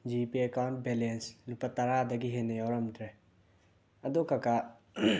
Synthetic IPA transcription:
d͡ʒipiekawɳʈ̚belenslupat̪ɐɾadɐɡiɦenejawɾɐmtʰɾe | ɐd̪okaka

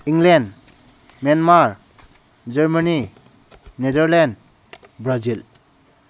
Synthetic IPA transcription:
iŋlend | manmaɾ | d͡ʒaɾmani | nedəɾlɛnd | bɾazil

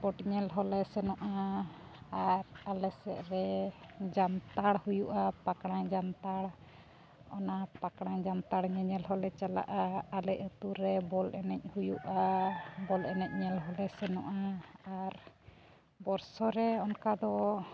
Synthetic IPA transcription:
pɔʈɲɛlɦɔlɛsɛnɔʔa | aɾalɛsɛ̰ʔɾɛd͡ʒant̪aɽhujuʔapakɽ̃ad͡ʒant̪aɽ | ɔ̰napakɽ̃ãd͡ʒant̪aɽɲɛɲɛlɦɔlɛt͡ʃala̰ʔaːlɛc̚ət̪uɾɛbɔlɛnɛc̚ˀhujuʔabɔlɛnɛc̚ˀɲɛlɦɔlɛsɛnɔʔaaɾ | bɔɾsɔɾɛɔnkad̪ɔ

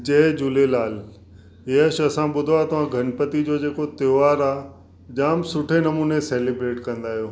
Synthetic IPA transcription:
d͡ʑeːd͡ʑuːlelaːl | eːəʃɐsãɓʊd̪ʱoat̪ɐʋ̤ãɡʱɐnpət̪id͡ʑoːd͡ʑeːkot̪eʋaːɾaː | d͡ʑaːmsʊʈʰenɐmuːneseːlebɾeːʈkɐ̃nd̪aːɦijoː

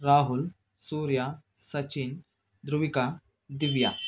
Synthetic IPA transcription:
ɾaːɦul | suːɾja | sɐt͡ʃin | d̪ɾuʋika | d̪iʋja̰

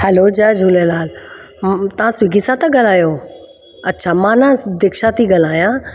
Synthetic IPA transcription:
hɛlod͡ʑəd͡ʑʱuːlelaːl | t̪ɐʋ̤ãswɪɡʱisãt̪ɐɡɐl̤aːjo | ɐtːɕʰamãnãd̪ɪkʃat̪iɡɐl̤aːijã

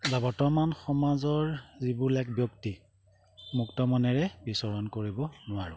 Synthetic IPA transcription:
babɔtɔmanxɔmazɔɹzibulɛkbjɔkti | muktɔmɔnɛɹɛbisɔɹɔnkoɹibɔnʊwaɹʊ̰

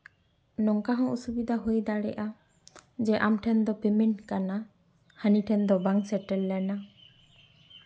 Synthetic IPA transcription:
nɔŋkaɦɔ̃usubid̪aɦujd̪aɽɛ̰ʔa | d͡ʒɛʔamʈʰɛnd̪ɔpeminkana | haniʈʰɛnd̪ɔbaŋsɛʈɛlːɛna

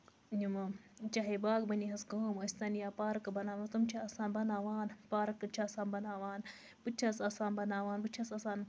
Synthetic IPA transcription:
ɲumɐt͡ʃɐɦebaːkbɐniɦɐsɡoːmosʲt̪ɐnjaːpaːɾɐkɨbɐnaːʋɐst̪ɨmt͡ʃʰaɐsaːnbɐnaːʋaːnpaːɾɐkːɨt͡ʃʰasaːnbɐnaːʋaːn | bɨt͡ʃʰasɐsaːnbɐnaːʋaːnbɨt͡ʃʰɐsɐsaːn

